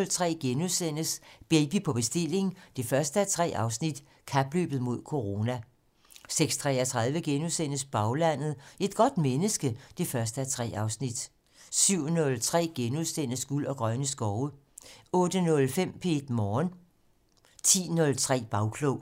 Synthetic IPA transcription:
lt͡sʰʁɛ̰ːɡ̥enuðˠsen̰əsb̥eːb̥ipʰɒ̽b̥e̝sd̥e̝l̰e̝ŋn̩d̥e̝fɶɐsd̥əæt͡sʰʁɛ̰ːʔɑ̈ʊsnid̥ | kʰæb̥lø̰ːb̥ð̩ˠmo̝ð̞̰ˠkʰo̝ʁo̝ːnæ | seɡ̥st͡sʰʁɛɐt͡sʰʁɑ̈ð̞ˠʋəɡ̥enuðˠsen̰əsb̥ɑ̈ʊlæn̰ð̩ˠe̝d̥̚ɡ̥ɒ̽d̥menəsɡ̥əd̥e̝fɶɐsd̥əæɐt͡sʰʁɛ̰ːɑ̈ʊsnid̥ | syʊ̰nɔ̽lt͡sʰʁɛ̰ːɡ̥enuðˠsen̰əsɡ̥ulɒ̽ɡ̥ʁɶnəsɡ̥ɒʊə | ɔ̽ːd̥ənɔ̽lfem̰pʰeed̥mɒːn | t͡sʰḭːnɔ̽lt͡sʰʁɛ̰ːb̥ɑ̈ʊkʰlɔʊ

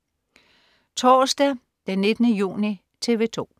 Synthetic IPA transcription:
t͡sʰɒːsd̥æ | d̥enːe̝d̥ənəjṵːni | t͡sʰe̝ʋe̝t͡sʰo̝̰ː

